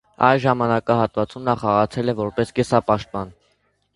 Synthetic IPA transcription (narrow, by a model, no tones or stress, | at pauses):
ɑ̰jlʒɑmɑnɑkɑɦɑt̪vɑt͡sumnɑχɑʁɑt͡sʰɛlɛvɔɾpɛskɛsɑpɑʃt̪̚pɑn